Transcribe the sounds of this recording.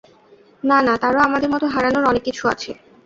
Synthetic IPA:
nanat̪aɾoamad̪eɾmɔt̪oɦaɾanoɾɔnekːit͡ɕʰua̰t͡ɕʰe

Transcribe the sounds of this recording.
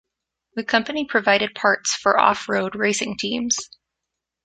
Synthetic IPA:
ðɨkʰʌ̃mpɨnipʰɹ̥ɨvaɪɾɨd̚pʰɑɹtsfə˞ʔɔ̰fɹoʊd̚ɹeɪsɪ̃ŋtʰĩmz̥

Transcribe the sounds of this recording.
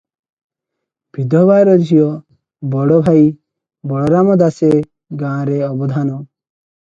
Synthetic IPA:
b̥ʱid̪ɔbajɾɔd͡ʒʱijɔ | bɔɽɔbʱai | bɔɽɔɾamɔd̪ase | ɡãɾeɔbɔd̪ʱanɔ

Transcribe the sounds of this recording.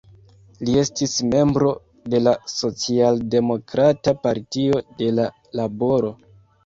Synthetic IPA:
lie̞stisme̞mbɾo̞ | de̞laso̞t͡sialde̞mo̞kɾatapaɾtio̞de̞la | labo̞ɾo̞

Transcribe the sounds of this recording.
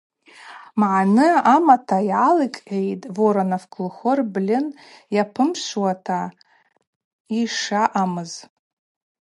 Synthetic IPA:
mʕanɨamatʰajʕalikʼʕejtʼvoɾanafkʼʰlχʷɔrblʲɪn | japʰɨmʃʷwatʰa | iʂaʔamɨz

